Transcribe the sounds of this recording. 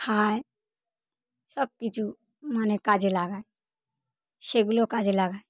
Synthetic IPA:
hʰaːe | səb̚kit͡ʃu | maːnekaːd͡ʒelaːɡae | ʃeɡlokaːd͡ʒelaːɡaːe

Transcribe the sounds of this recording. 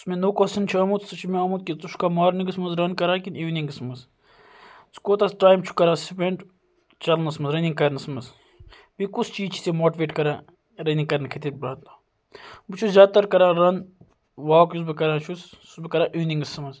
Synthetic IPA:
smẽnoːkosɐnt͡ʃʰaːmut̪sɨt͡ʃʰimeɐːmut̪̚kit̪uʃkamaːɾniŋɡɨsmɐzɾɐnkɐɾãːkiniːʋniŋɡɨsmɐz | skoːt̪ɐsʈaːjmt͡ʃʰu̥kɐɾãːsipeɳɖ | t͡ʃɐlnɐsmɐzɾɐnĩŋɡkɐɾnɐsmɐz | bikust͡ʃiːzt͡ʃʰi̥semoːʈiʋeːʈkɐɾãː | ɾɐnĩŋkɐɾnkʰit̪it̪̚bɾɐːt̪a | bɨt͡ʃʰuzʲjaːd̪̚t̪ɐɾkɐɾãːɾɐn | ʋaːkjus̬bɨkɐɾãːt͡ʃʰussbɨkɐɾãːʔiːniŋɡɐsmɐz

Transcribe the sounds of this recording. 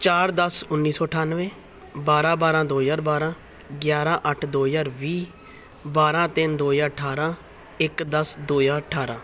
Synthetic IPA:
t͡ʃaːɾd̪əsʊnːiːsɔːəʈʰaːnʋẽː | baːɾãːbaːɾãːd̪oːjaːɾbaːɾãː | ɡjaːɾãːʔəʈʰd̪oːjaːɾʋiː | baːɾãːt̪ɪnd̪oːjãːəʈʰaːɾãː | ɪkd̪əsd̪oːjãːəʈʰaːɾãː

